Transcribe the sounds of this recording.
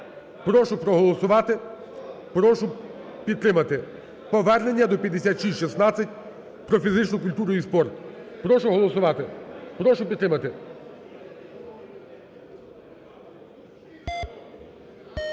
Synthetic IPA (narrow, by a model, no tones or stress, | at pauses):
pɾɔʃʊpɾɔɦɔlˠɔsʊʋɑt̪ɪ | pɾɔʃʊ | pʲid̪̚t̪ːɾɪmɐt̪ɪ | pɔʋɛrne̞nʲːɐd̪ɔpʲjɐd̪esʲat̪ʃisʲʃisnɑt͡sʲɐtʲ | pɾɔfʲizɪt͡ʃnʊkʊlʲt̪uɾʊispɔrt̪pɾɔʃʊɦɔlˠɔsʊʋɑt̪ɪpɾɔʃʊpʲid̪t̪ːɾɪmɐt̪ɪ